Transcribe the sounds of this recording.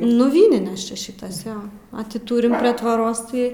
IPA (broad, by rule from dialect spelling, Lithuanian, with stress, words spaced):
nʊ ˈʋʲiːnʲɪnʲeːs ˈt͡ʃʲɛ ˈʃʲɪtɐs ˈjoː ɐ ˈtʲɪ ˈtuːrʲɪm pʲrʲiɛ tʋoːˈroːs tɐɪ